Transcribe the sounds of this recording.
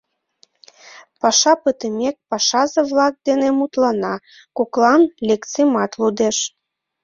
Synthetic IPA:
pɑʃɑpət̪əmʲek̚pɑʃɑzeβlɑk̚d̪enemut̪lɑnɑ | kuklɑnlʲekt͡semɑt̪lud̪eʃ

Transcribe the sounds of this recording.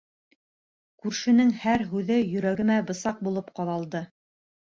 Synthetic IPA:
kʉɾʃɘ̆nɘŋhæɾɦʉðɘjɵ̆ɾæɡɘ̆mæbɤ̆sɑq̚bulˠɤpqɑðɑlˠd̪ɤ

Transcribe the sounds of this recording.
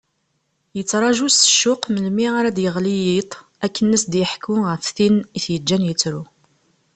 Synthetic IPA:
jət͡sːɾˤɑʒusə̥ʃːʊqməlmiaɾæd̪jəʁlijit̪ˤ | ækːənːəsd̪jəħkuʁəfθiniθjəd͡ʒːænjət͡sːɾu

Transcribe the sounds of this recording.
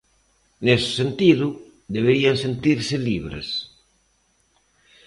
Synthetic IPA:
nesɪ̥sent̪iðʊ | d̪eβ̞eɾiansent̪iɾsɪliβɾḛs

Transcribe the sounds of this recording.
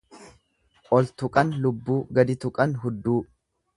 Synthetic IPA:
ʔɔlt̪ʊkʼɐnlʊbːuːɡɐd̪ɪt̪ʊkʼɐnɦʊd̪ːuː

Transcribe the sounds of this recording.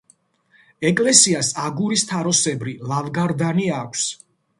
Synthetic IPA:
ɛkʼlɛsiasaɡuɾist̪ʰaɾɔsɛbɾilavɡaɾd̪aniakʷʰs

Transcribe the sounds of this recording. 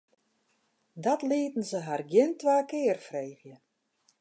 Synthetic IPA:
dɔtlɪətn̩zəɦarɡjɪntʋaːkɪːərfreːɣjə

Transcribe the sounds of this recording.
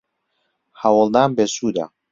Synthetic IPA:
hawɑlˠd̪aːnbeːsuːd̪a̰

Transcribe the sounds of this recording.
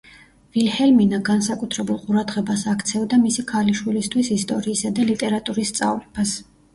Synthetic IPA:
vilhɛlminaɡansakʼut̪ʰɾɛbulˠqʼuɾad̪ʁɛbasakʰt̪sʰɛvd̪amisikʰaliʃwilist̪ʰwisist̪ʼɔɾiːsad̪alit̪ʼɛɾat̪ʼuɾist̪sʼa̰vlɛb̥as

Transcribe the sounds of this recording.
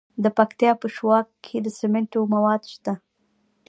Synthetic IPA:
d̪əpakt̪jɑpəʃwɑkkʰːed̪əsemeɳʈomawɑd̪ʃt̪a

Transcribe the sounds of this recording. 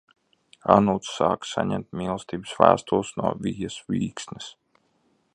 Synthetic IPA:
anuːt̪sːaːksaɲɛmt̪̚mʲiːlˠst̪iːbəsvæ̰ːst̪ulˠsnuɔvʲijasʋiːksnʲis

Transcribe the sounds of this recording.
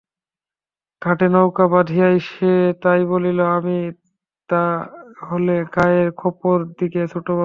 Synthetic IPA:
ɡʱaʈenowkabad̪ʱijajʃet̪ajboliloami | t̪aɦoleɡajeɾkʰɔpoɾd̪ikesʰuʈoba

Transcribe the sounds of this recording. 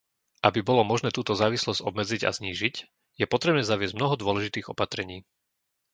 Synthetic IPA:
ʔabibɔlɔmɔʒnɛːt̪uːt̪ɔzaːʋislɔz̥ɟɔbmɛd͡ziɟa̰zɲiːʒic | jɛpɔt̪ɾɛbnɛːzaʋɪɛzɟmnɔɦɔd̪ʊɔlɛʒit̪iːɣɔpat̪ɾɛɲiː

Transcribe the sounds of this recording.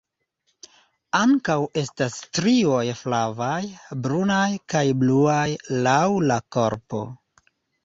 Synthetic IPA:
aŋkawe̞stastɾio̞jflavajbɾunajkajbluajlawlako̞ɾpo̞̰

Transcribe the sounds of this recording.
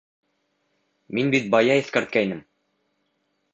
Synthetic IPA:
minbit̪̚bɑjɑiθkæɾt̪̚kæinɘm

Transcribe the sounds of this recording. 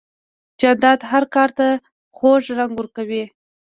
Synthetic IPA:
d͡ʒand̪ɑd̪ɦaɾkɑɾt̪a | xoʒɾaŋɡwəɾkawi

